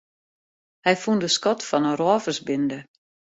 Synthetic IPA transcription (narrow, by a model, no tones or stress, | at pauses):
hɛjfundəskɔtfɔnərɔːvəsbɪndə